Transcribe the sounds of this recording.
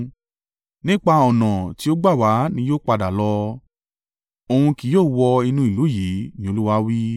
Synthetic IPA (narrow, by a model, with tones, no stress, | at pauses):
nĩ˦k͡pa˧ɔ˨nã˨ti˨˦o˦ɡ͡ba˦˨wa˨˦nĩ˧˦joː˦k͡pa˧da˨lɔ˧ | o˨hũ˧ki˨joː˦˨wɔ˧i˧nũ˧˦i˨lu˨˦ji˨˦nĩ˦o˧lu˦wa˦wi˦